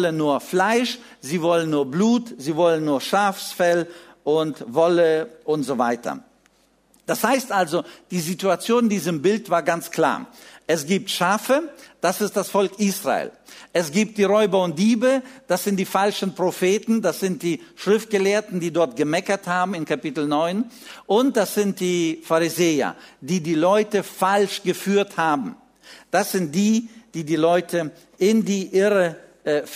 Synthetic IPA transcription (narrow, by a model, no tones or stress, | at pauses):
ɔlənːuːɐflaɪʃ | ziːvɔlənːuːɐbluːtziːvɔlənːuːɐʃaːfsfɛlʔʊntvɔləʔʊntz̥ova̰ɪtʰɐ̰ | d̥ashaɪstʔalzod̥iːzituat͡sjoːnɪndiːzəmbɪltv̥aːɐɡant͡skl̥a̰ːɐʔɛsɡ̥iːp̚tʃaːfəd̥asɪstd̥asfɔlkʔiːsʁa̰ḛːlʔɛsɡ̥iːp̚t̚d̥iːʁɔʏbɐʊnt̚d̥iːbəd̥asz̥ɪntd̥iːfalʃn̩pʁ̥ofeːtn̩dasz̥ɪnt̚d̥iː | ʃʁ̥ɪft̚ɡ̥əleːɐtn̩diːdɔɐt̚ɡ̥əmɛkɐthaːbm̩ɪnkapɪtl̩nɔʏn | ʔʊnt̚d̥asz̥ɪntd̥iːfaʁizeːɐ̰diːdiːlɔʏtəfalʃɡ̥əfyːɐthaːbm̩ | d̥asz̥ɪnt̚d̥iːd̥iːdiːlɔʏtʰə | ʔɪndiːʔɪʁə